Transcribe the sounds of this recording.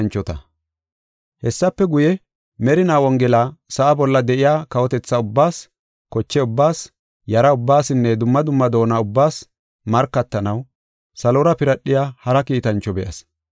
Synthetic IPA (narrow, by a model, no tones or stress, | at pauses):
nt͡ʃːɔt̪ɐ̰ | hɛsːɐpːɛɡʊjɛ | mɛɾɪnaːwɔŋɡɛlaːsɐʔːbɔlːɐd̪ɛʔɪjaːkɐwɔt̪ɛt͡sːɐʊbːaːs | kɔt͡ʃːɛʊbːaːs | jɐɾɐʊbːaːsɪnːɛd̪ʊmːɐd̪ʊmːɐd̪o̞ːnaʊbːaːs | mɐɾkːɐt̪ːɐnɐw | sɐlɔɾɐpɪɾɐɗɪjaːhɐɾɐkiːt̪ɐnt͡ʃːɔbɛʔɐ̰s